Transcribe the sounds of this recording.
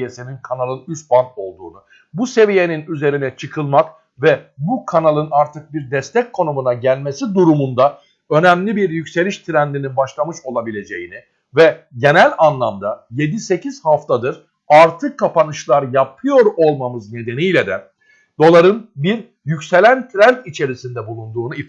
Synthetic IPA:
jesininkʰanalˠɯnyst̪̚bano̞lˠd̪ṵːnu | buse̞vije̞ninyze̞ɾinɛt͡ʃʰɯkʰɯlˠmak | vɛbukʰanalˠɯnaɾt̪ʰɯk̚biɾd̪ɛst̪ʰɛc̚kʰo̞numunaɟælʲme̞sid̪uɾumund̪a | ø̞næmlʲibiɾjycse̞lʲiʃt̪ʰɾænd̪ininbaʃlˠamɯʃo̞lˠabilʲe̞d͡ʒe̞jini | vɛɟe̞nælʲanlˠamd̪aje̞d̪ise̞cʰiz̥haft̪ʰad̪ɯɾ | aɾt̪ʰɯkʰːapanɯʃlˠaɾjapʰɯjo̞ɾo̞lˠmamɯzne̞d̪e̞nijlʲɛd̪ɛ | d̪̥o̞lˠaɾɯnbiɾ | jycse̞lʲænt̪ʰɾænt̪it͡ʃʰe̞ɾisind̪ɛbulˠund̪uːnui

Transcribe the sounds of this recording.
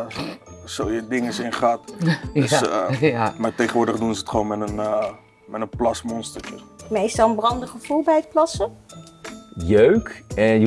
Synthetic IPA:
sowjədɪŋəsɪnχat | amatejχənʋʊːɹdəχdunsəətχəʋoːnmɛtən | mɛtənplɑsmɔnstət͡ʃəmestɔənbrɑndəχəfulˠbɛjət̚plɑsə | jøɥkɛj

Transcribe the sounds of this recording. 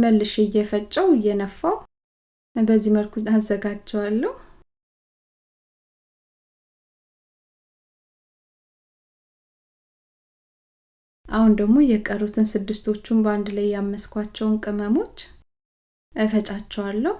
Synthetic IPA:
məlːɨʃejɛfət͡ʃʼːɛwjɛnəfːaw | bəzːiməlkʰuazːəɡat͡ʃːɛwalːəhu | ʔahund̪əɡmo̞jɛkʼərːut̪ʰɨnsɨd̪ːɨst̪ʰo̞t͡ʃːumbəand̪lajːamːəskʰʷat͡ʃːɛwnkʼɨməmo̞t͡ʃː | ʔəfət͡ʃʼat͡ʃːɛwalːəh

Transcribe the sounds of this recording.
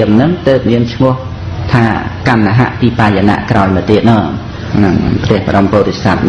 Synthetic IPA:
əmnɨŋt̪əːp̚miənt͡ɕʰmʊ̆əh | t̪ʰaːkamnaɦa̰ʔpiːpaːjana̰ʔkraɔlmɨt̪iət̪̚nɑː | naŋpʰt̪ɛ̆əhpə̰̆ɗompoːt̪esat̪̚

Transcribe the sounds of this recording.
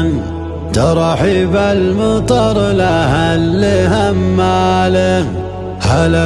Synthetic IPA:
n | d̪ɑɾˤɑħibalmɑt̪ˤɑɾˤlahalːɪhamːaːla | hala

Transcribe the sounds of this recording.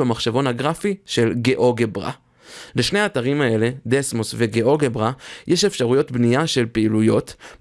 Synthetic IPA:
amaχʃavo̞nhaɡʁafiʃe̞lɡeʔo̞ɡebʁa̰ | leʃne̞aːtaʁimae̞le̞d̪esmosve̞ɡeo̞ɡebʁajeʃe̞fʃaʁujo̞tbniaʃe̞lpeilujo̞t

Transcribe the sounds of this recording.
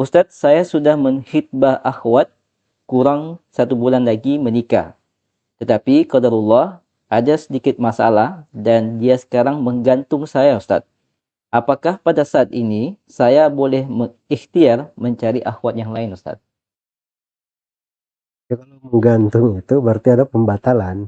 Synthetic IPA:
ʔust̪at̪̚sajasudahməŋxit̪̚baʔaxwat̪̚ | kuɾaŋsat̪ubulanlaɡimənika̰ | t̪ət̪apikɔdaɾulːɑh | ʔadasədikɪt̪̚masa̰lahdandiasə̥kaɾaŋməŋɡant̪ʊŋsajaust̪a̰t̪̚ | ʔapakahpadasaːt̪inisajabolɛhməŋ | ixt̪iarməɲt͡ʃaɾiʔaxwat̪̚jaŋlaɪnust̪a̰t̪̚ | akalaməŋɡant̪ʊŋit̪ubərt̪iadapəmbat̪alan

